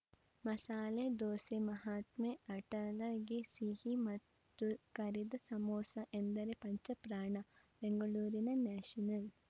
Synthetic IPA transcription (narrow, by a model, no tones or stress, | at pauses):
mɐsaːled̪oːsemɐɦaːt̪meɐʈɐlɐɡesihimɐt̪ː | ukɐɾid̪ɐsɐmoːsɐʔend̪ɐɾepɐɲt͡ʃɐpɾaːɳɐ | beŋɡɐɭuːɾinɐnaːʂɐnɐl